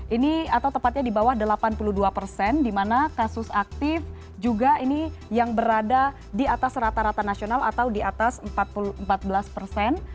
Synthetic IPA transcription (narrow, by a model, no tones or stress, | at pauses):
ʔiniat̪awt̪əmpat̪̚ɲadibawahdəlapanpuluhduapərsɛndimanakasʊsak̚t̪ɪf | d͡ʒuɡainijaŋbəɾada | diat̪asɾat̪aɾat̪anasionala̰t̪awdiat̪asəmpat̪̚puluəmpat̪̚bəlaspərsɛn